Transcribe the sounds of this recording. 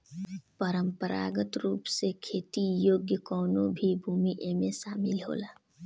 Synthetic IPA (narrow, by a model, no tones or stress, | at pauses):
pəɾə̃mpəɾa̰ːɡət̪ɾuːpsekʰeːt̪ijoːɡjəkɔːnõbʱibʱuːmiʔeːmẽʃaːmɪlɦo̰ːlaː